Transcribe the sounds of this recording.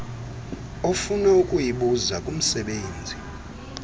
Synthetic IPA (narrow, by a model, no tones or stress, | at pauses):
ofunaukʼujiɓuzakʼum̩sɛɓeːnd͡zʱi